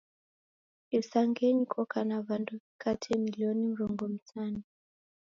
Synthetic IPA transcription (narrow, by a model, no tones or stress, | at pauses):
isaŋɡɛɲikʰɔkʰanavandukʰatʰɛmiliɔnim̩ɾɔŋɡɔm̩tʰanu